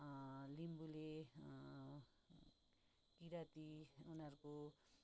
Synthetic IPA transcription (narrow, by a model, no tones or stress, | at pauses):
limbule | kiɾat̪iunaɾuko